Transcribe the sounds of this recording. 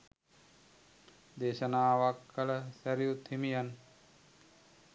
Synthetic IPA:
d̪eːʃɐnaːʋakːɐlɐsɐɾjut̪ːimijɐn

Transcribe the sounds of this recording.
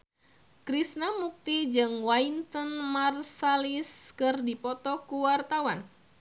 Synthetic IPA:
kɾisnamuk̚t̪id͡ʒɨŋwaint̪ɔnmarsaliskɨrdipɔt̪ɔkuwart̪awan

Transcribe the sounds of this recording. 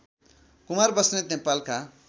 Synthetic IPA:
kumarbʌsnet̪nepalkʰa

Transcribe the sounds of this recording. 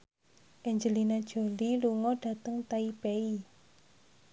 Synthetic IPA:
ʔɛɲd͡ʒəlinad̥ʒ̥o̤liluŋɔɖ̥ä̤t̪əŋt̪aipei

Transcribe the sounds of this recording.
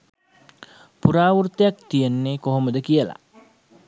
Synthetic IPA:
puɾaːʋurt̪ejak̚t̪ijenːekoɦoməd̪əkijəla̰

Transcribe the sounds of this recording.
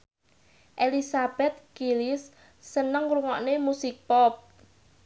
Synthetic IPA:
ʔelisab̥ɛt̪̚kilisː | ənəŋɾuŋɔʔnemusik̚pɔp̚

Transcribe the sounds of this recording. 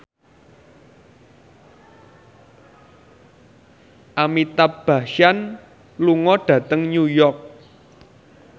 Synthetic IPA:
ʔamit̪ab̥a̤ʃan | luŋɔɖ̥ä̤t̪əŋɲujɔrk̚

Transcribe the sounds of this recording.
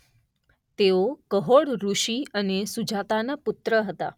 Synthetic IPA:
t̪eokəɦoɽɾuʃiənesud͡ʒat̪anapʊt̪ɾəɦət̪a̰

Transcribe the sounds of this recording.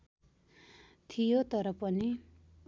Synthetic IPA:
t̪ʰijot̪ʌɾʌpʌni

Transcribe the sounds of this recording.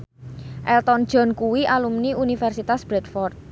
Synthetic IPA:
ʔɛlt̪ɔnd̥ʒ̥ɔ̤nkuwiʔalumniunifɛrsit̪asb̥ɾɛd̪fɔrt̪̚

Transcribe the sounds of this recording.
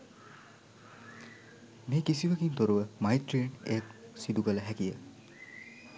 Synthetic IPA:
mekisiʋɐɡint̪oɾuʋɐmajt̪ɾenḛk̚sid̪uɡɐlɐɦɛkijə

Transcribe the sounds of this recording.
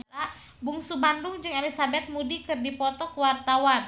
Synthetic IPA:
ɾa | buŋsubandʊŋd͡ʒɨŋelisabɛt̪̚mudikɨrdipɔt̪ɔkəwart̪awan

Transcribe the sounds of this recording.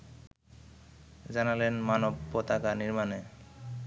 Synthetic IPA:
d͡ʑanalenmanobːot̪akaniɾmane

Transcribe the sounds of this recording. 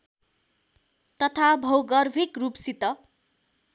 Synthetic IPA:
t̪ʌt̪ʰabʱʌwɡʌrbʱikrupsit̪ʌ

